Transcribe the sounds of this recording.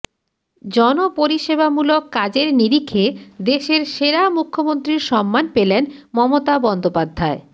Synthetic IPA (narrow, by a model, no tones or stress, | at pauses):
d͡ʑɔnopoɾiʃebamulokːad͡ʑeɾniɾikʰːed̪eʃeɾʃeɾamukʰːomont̪ɾiɾʃɔmːanpelenmɔmot̪abɔnd̪opad̪ʱːae